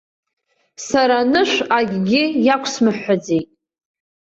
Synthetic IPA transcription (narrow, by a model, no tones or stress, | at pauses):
saɾanɨʃʷaɡʲɡʲɪjakʷʰsmɨħːad͡zejtʼ